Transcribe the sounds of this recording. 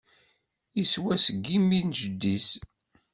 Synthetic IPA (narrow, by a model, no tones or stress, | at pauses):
iswæsəɡːimːinʒəd̪ːis